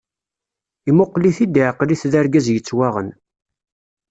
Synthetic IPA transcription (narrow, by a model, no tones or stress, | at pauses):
imʊqːliθid̪ʕəqːliθðæɾɡæzjət͡sːwaʁə̰n